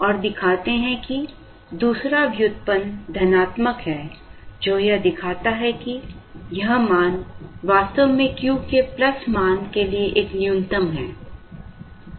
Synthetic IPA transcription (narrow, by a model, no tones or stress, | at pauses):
ɔːɾd̪ɪkʰaːt̪eɦɛ̃ki | d̪uːsɾaʋjʊt̪̚pənd̪ʱɐnaːt̪məkɦɛːd͡ʒoːjɐd̪ɪkʰaːt̪aɦɛkijɐɦmaːnʋaːst̪əʋmẽkjũːkeplɐsmaːnkelieʔeːknɪjʊ̃nt̪əmɦɛː